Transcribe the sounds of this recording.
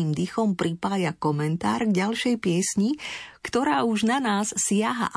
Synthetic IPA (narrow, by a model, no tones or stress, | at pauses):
iːmd̪ixɔmpɾipaːjakɔmɛnt̪a̰ːɾɡɟalʃɛjpɪɛsɲikt̪ɔɾaːuʒnanaːsːɪaɦa̰ʔ